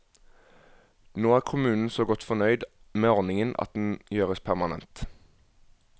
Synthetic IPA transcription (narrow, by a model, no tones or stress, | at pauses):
noːæːʁkʰʊmʉːnn̩soːɡɔt̪fɔnœʏd̪meːɔʁnɪŋənʔɑ̰t̪̚d̪n̩jøːʁəspʰæʁmɑnɛ̰nt̪